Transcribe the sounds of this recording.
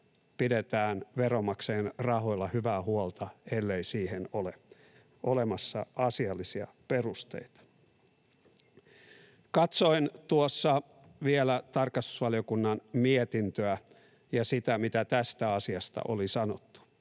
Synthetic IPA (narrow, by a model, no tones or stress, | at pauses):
pidet̪æːnʋeɾomɑkseːnrɑho̞ilːɑhyʋæːhuolt̪ɑelːeisiːhenole | ʔolemɑsːɑ̰ɑsiɑlːisiɑ̰ | perust̪ḛit̪ɑ̥ | kɑt̪soint̪uosːɑ | ʋielæt̪ɑrkɑst̪u̥sʋɑliokunːɑnmiet̪int̪øæ | jɑsit̪æmit̪æt̪æst̪æɑsiɑst̪ɑ̰ʔolisɑnot̪ːu̥